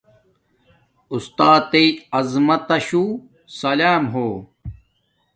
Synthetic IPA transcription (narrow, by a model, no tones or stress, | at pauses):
ust̪aːt̪eiɐzmɐt̪ɐɕuː | sɐlaːmɦoː